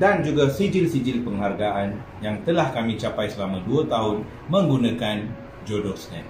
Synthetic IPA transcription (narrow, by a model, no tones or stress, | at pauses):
dand͡ʒuɡasid͡ʒɪlsid͡ʒɪlpəŋɦarɡaʔanjaŋt̪əlahkamĩt͡ʃapajsəlamãduat̪aɦʊn | mə̃ŋɡunãkan | d͡ʒodɔslɛ̃n